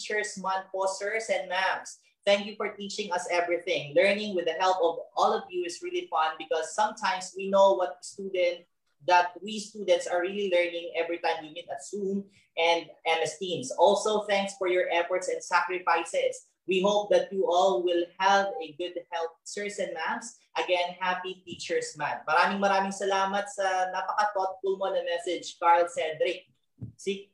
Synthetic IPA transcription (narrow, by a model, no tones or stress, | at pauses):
t͡ʃə˞smãnpɔsə˞sɛ̃n̚mæms | θæ̃ŋkjufɔɹt̪it͡ʃɪ̃ŋʌsɛvɹiθɪ̃ŋlɜ˞nɪ̃ŋwɪðəhɛlˠpɔvʔɔlɔvjuɪsɹilifʌ̃nd̚bɪkɔsːʌ̃mt̪ʰãɪmswinoʊwʌt̪̚st̪ud̪ɛ̃nt̪̚ | ðɐt̪̚wist̪uːd̪ɛ̃nt̪saɹɹililɛɹnɪ̃ŋɛvɹit̪ãɪ̃mjunid̪ɐsũm | ʔɛ̃nd̪̚ʔɛmɛst̪ĩnsʔɔlsowθæ̃ŋksfɔɹjɔɹʔɛfɔɹt̪sɛ̃nd̪sakɾɪfajsɛs | wiɦoʊp̚d̪ɐt̪̚juʔɔlwɪlhavɛɡʊd̪̚hɛlp̚sɛɹsɛ̃nmans | ʔɐɡɛnhapit̪it͡ʃɛɹsma̰nmɐɾaːmɪŋmɐɾaːmɪŋsɐlamɐt̪̚sɐnɐpɐkɐt̪ɔt̪̚fʊlmonɐmɛsɛd͡ʒkaɹlsɛd̪ɾɪk̚ | siɡ